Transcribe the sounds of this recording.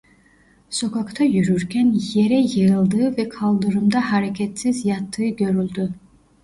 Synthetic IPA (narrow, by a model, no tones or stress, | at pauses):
so̞kʰakt̪ʰajyɾyɾcʲʰænje̞ɾɛjɯjɯlˠd̪ɯːvɛkʰɑlˠd̪ɯɾɯmd̪aɦaɾecʰɛt̪sizjat̪ʰːɯːɡʲø̞ɾylʲd̪y